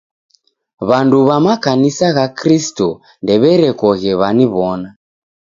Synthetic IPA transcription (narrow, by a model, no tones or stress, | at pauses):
βanduβamakanisaɣakɾistɔ | ndɛβɛɾɛkɔɣɛβaniβɔna